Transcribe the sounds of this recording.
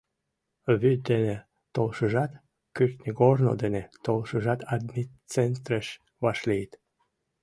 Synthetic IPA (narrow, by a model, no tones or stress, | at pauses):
βyd̪ene | t̪olʃəʒɑt̪ | kyrt̪nʲiɡorno̰d̪enet̪olʃəʒɑt̪ɑd̪ni | t͡sent̪ɾəʃ | βɑʃlijt̪